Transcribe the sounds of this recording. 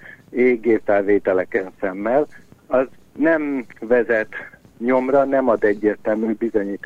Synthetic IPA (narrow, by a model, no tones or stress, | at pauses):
eːɡeːfɛlveːt̪ɛlɛkɛnsɛmːɛlɒz | nɛmvɛzɛt̪ | ɲo̞mrɒnɛmɒd̪ɛɟːeːrt̪ɛlmyːbizo̞ɲiːt̪